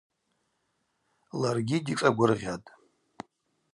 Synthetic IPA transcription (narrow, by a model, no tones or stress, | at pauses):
larɡʲidit͡sʼaɡʷʊrʁʲatʼ